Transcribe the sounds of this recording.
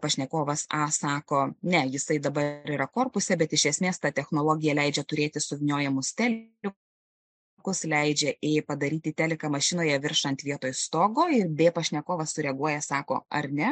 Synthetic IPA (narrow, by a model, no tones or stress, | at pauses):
pɐʃʲnʲɛkoːʋɐsɑːsɑːkoːnʲɛjɪsɐɪd̪ɐbɐɾɪɾɐkoːrpʊsʲɛbʲɛt̪ɪʃʲɛsʲmʲeːst̪ɐt̪ʲɛxnoːlˠoːɡʲɪjɛlʲɛɪd͡ʒʲɛt̪ʊɾʲeːt̪ʲɪsʊʋʲɪnʲoːjɛmʊst̪ʲæːlʲɪ | kʊslʲɛɪd͡ʒʲɛʔeːpɐd̪ɐɾʲiːt̪ʲɪːt̪ʲæːlʲɪkɐmɐʃʲɪnoːjɛʋʲɪɾʃɐnt̪ʋʲiɛt̪oːjst̪oːɡoːɪrbʲeːpɐʃʲnʲɛkoːʋɐssʊɾʲɛɐɡuɔjɛsɑːko̰ːɐ̰ɾnʲɛ